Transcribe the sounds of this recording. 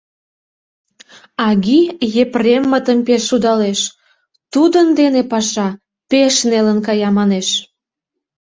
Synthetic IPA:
ɑɣijepremːət̪əmpeʃːud̪ɑleʃ | t̪ud̪ənd̪enepɑʃɑ | peʃnelənkɑjɑmɑneʃ

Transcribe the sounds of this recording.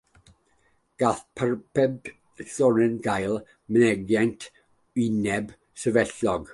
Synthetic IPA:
ɡ̥aɬpʰarpʰɛb | ɬɔɾɨnɡajlˠ | mənɛɡjajntʰ | wɪnɛb | səvɛɬɔɡ

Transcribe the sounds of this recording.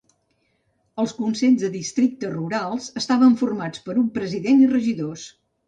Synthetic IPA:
əlˠskunsɛʎzðəðist̪ɾik̚t̪əruɾalˠz̥əst̪aβəɱfurmat͡spəɾumpɾəziðenirəʒiðos

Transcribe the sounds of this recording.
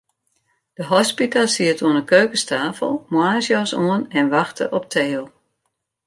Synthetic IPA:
d̥əɦɔspitalˠsiətʰuənəkøːkəstaːfə̰lˠmwaːəsjɔsoənɛnʋaxtə̰ʔɔp̚tʰeːlˠ

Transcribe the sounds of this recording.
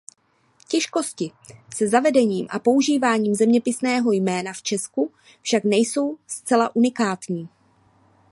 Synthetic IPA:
cɛʃko̞scɪsɛzavɛdɛɲiːmʔa̰po̞uʒiːvaːɲiːmzɛmɲɛpɪsnɛːɦo̞jmɛːnaft͡ʃɛsku | fʃaknɛjso̞wst͡sɛlaʔunɪkaːt̪ɲiː

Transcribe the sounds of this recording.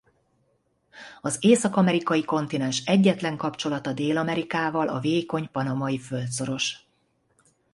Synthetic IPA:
ɒzeːsɒkɒmɛɾikɒjiko̞nt̪inɛnʃɛɟːɛt̪lɛŋkɒpt͡ʃo̞lɒt̪ɒd̪eːlɒmɛɾikaːvɒlʔɒveːjko̞ɲpɒnɒmɒjifø̞lt̪so̞ɾo̞ʃ

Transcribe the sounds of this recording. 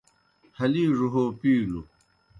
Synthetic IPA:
hɐliːʐuɦoːpiːlṵ

